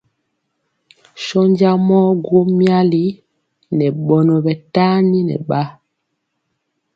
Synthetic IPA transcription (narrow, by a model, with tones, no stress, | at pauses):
ʃɔ˦ɲɟa˦mɔ˦ɡwo˦mja˦li˦ | nɛ˨ɓɔ˨nɔ˨bɛ˨ta˦ni˦nɛ̰˨ɓa˦